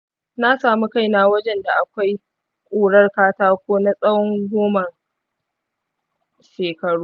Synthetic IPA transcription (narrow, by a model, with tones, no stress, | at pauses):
na˦saː˨mu˦ka˦˨jna˦wɐ˦d͡ʒɛ˨nda˨ʔa˨kʷa˦j | kʷʼuː˨ɽɐ˦rkaː˦taː˦kʷoː˦na˦sʼɐ˦wɔ˦ŋɡʷoː˦mɐ˨ | ʃeː˨kɐ˨ɽuː˦